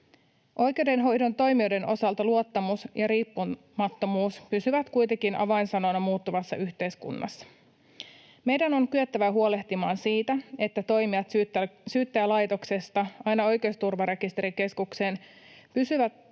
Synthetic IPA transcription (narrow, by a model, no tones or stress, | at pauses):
ʔo̞jk̟e̞wde̞nɦo̞jdo̞nt̪o̞jmiojde̞no̞sɑlt̪ɑluo̞t̪ːɑmusjɑɾiːpːu | mɑt̪ːo̞muːspysyʋæt̪kujt̪ekinʔɑ̰ʋɑinsɑno̞nɑmuːt̪ːuʋɑsːɑ̰ʔyçt̪e̞jskṵnːɑ̰sːɑ̥ | me̞jdæno̞ŋkyøt̪ːæʋæɦuo̞le̞ht̪imɑːnsiːt̪æe̞t̪ːæt̪o̞jmiɑt̪syːt̪ːæːlɑjt̪o̞kse̞st̪ɑɑjnɑo̞jkeost̪urʋɑɾe̞kist̪e̞ɾike̞skukse̞ːn | pysyʋæt̪